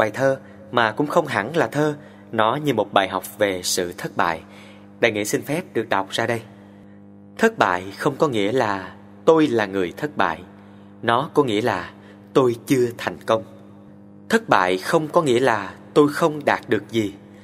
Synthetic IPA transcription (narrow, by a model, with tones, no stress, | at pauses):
ɓaː˨˩jt̪ʰəː˧ | maː˨˩kʊ̰˧˥ŋ͡mxə˧wŋ͡mɦa̰˧˩˥ŋlaː˨˩t̪ʰəː˧ | nɔ˨˦ɲɨ˧mo˨˩t̚ɓaː˨˩jɦa˨˩wk͡p̚ve˨˩sɨ̰˧˨t̪ʰə˦˥t̚ɓa̰ː˧˨j | ɗa̰ː˧˩jŋḭ˧˥sï˧ŋ̟fɛ˦˥p̚ɗɨ˨˩ək̚ɗɔ˨˩wk͡p̚z̥aː˧ɗə˧j | t̪ʰə˦˥t̚ɓa̰ː˧˨jxə˧wŋ͡mkɔ˨˦ŋḭ˧˥əlaː˨˩ | t̪o˧jlaː˨˩ŋɨ˨˩əjt̪ʰə˦˥t̚ɓa̰ː˧˨j | nɔ˨˦kɔ˨˦ŋḭ˧˥əlaː˨˩ | t̪o˧jt͡ɕɨ˧ət̪ʰa˨˩jŋ̟kə˧wŋ͡m | t̪ʰə˦˥t̚ɓa̰ː˧˨jxə˧wŋ͡mkɔ˨˦ŋḭ˧˥əlaː˨˩t̪o˧jxə˧wŋ͡mɗaː˨˩t̚ɗɨ˨˩ək̚zi˨˩